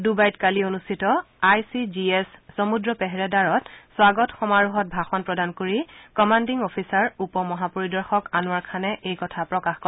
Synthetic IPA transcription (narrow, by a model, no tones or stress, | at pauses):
dubajtkalionustʰitɔ | ajsid͡ʒiesːomudɹɔpɛɦɛɹɛdaɹɔtswaɡɔtxɔmaɹuɦɔt̚bʱaxɔnpɹɔdankoɹikɔmandiŋɔpʰisaɹupɔmɔɦapoɹidɔɹxɔkanwaɹkʰanɛʔejkɔtʰapɹɔkaxkɔ